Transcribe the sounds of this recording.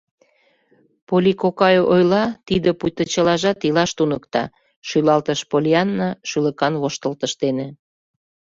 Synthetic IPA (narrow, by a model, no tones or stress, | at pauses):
polʲikokɑjoʔojlɑt̪id̪ə̆pujt̪ət͡ɕə̆lɑʒɑt̪ilɑʃt̪unəkt̪ɑ̰ | ʃylɑlt̪əʃpolʲiɑnːɑʃylə̆kɑnβoʃt̪əlt̪əʃt̪ene